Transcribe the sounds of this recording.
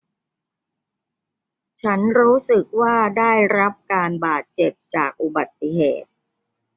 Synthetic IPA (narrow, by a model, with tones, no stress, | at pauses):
t͡ɕʰa˦˥nɾuː˦˥sɯ˨˩k̚waː˥˩daː˥˩jɾa˦˥p̚kaː˧nbaː˨˩t̪̚t͡ɕe˨˩p̚t͡ɕaː˨˩k̚ʔu˨˩ba˨˩t̪ːi˨˩ɦeː˨˩t̪̚